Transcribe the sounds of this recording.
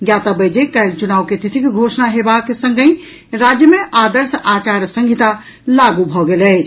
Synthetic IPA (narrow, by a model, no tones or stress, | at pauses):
ɡjat̪əbəd͡ʒekajlt͡ʃunawket̪it̪ʰikɡʱosnaɦebaksə̃ŋɡə̃ɪ | ɾad͡ʒjəmeʔad̪əɾsat͡ʃaɾsə̃ŋɡʱit̪a | laɡubʱɔɡelɛt͡ʃʰ